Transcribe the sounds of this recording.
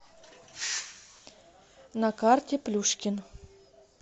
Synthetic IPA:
nɐkartʲɪplʲuʂkʲɪn

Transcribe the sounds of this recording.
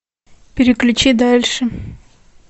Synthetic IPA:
pʲɪɾʲɪklʲʉt͡ɕid̪alʲʂɨ

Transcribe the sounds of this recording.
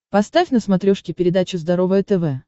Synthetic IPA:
pɐst̪afʲnəsmɐt̪ɾʲoʂkʲɪpʲɪɾʲɪd̪at͡ɕʊzd̪ɐɾo̞vəjət̪ɛvɛ

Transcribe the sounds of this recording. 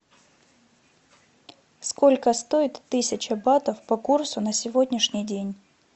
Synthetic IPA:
skolʲkəst̪o̞ɪt̪ːɨsʲɪt͡ɕɐbat̪əfpɐkursʊnəsʲɪvo̞dʲnʲɪʂnʲɪjdʲenʲ

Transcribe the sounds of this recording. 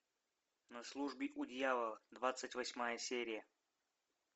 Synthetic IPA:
nɐslˠuʐbʲɪʔʊd̪ʲjalˠəd̪vat̪sɨtʲvɐsʲmajəsʲeɾʲɪjə

